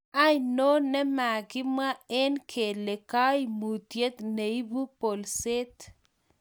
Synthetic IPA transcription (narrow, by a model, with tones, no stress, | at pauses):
a˦jno˦nɛ˦ma˨ɡɪ˦ma˦ɛ˦nkʰe˨le˨ka˦i˨mu˨t̪je˦t̪ne˨i˦bu˦po˨lse˦t̪